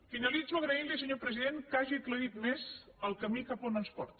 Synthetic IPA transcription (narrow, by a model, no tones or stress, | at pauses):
finəlid͡zuəɣɾəilisəɲopɾəziðenkaʒikləit̪mez | əlˠkəmikaponənspɔ̰ɾt̪